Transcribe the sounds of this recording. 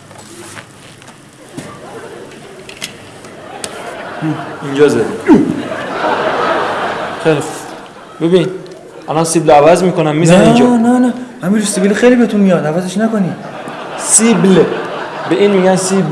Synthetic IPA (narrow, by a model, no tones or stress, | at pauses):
ind͡ʒɒːzæɾi | xejlixu | bebin | ʔælɒnsibleævæzmiːkʰonæmːiːznænind͡ʒnænæhæmiɾusibilixejliːbet̪ʰunmijɒd̪ævæt̪e̞ʃnækoni̥ | siblebeʔiːnmiːɡænsib